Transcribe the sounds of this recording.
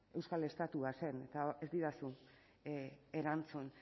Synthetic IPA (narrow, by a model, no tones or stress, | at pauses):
e̞wskale̞st̪at̪uase̞ne̞t̪aezd̪iɾasu | e̞ɾant͡sun